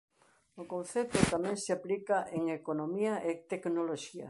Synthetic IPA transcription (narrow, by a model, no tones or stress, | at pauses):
okon̟θet̪ʊt̪amɛ̃ŋseaplikaʔeŋekonomiaʔet̪eknoloʃiɐ̰